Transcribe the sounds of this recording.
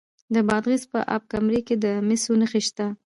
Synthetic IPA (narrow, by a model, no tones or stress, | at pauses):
d̪əbɑd̪ɣizpə̰ʔa̰b̚kamɾeked̪əmɪsonəxeʃt̪a